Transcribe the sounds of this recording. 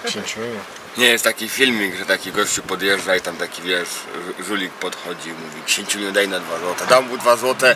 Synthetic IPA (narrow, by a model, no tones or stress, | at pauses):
keɲt͡ɕumʲiu | ɲɛjɛst̪akʲifʲilmʲiɡʐɛt̪akʲiɡɔɕt͡ɕupɔd̪jɛʐd͡ʐait̪amt̪akʲivʲjɛʂʐulʲik̚pɔt̪xɔd͡ʑimuvʲikɕeɲʲt͡ɕumʲiɲud̪ɛjnɔd̪vazwɔt̪ɛd̪ambud̪vazwɔt̪ɛ